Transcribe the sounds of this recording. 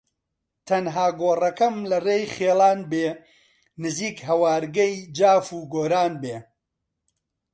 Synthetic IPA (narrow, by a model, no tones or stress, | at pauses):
t̪ʰɐnɦaːɡoːrɐkɐmlɐreːjχeːlaːnbeː | nɨziːkɦɐwaːɾɡɐjd͡ʒaːfuːɡoːɾaːnbeː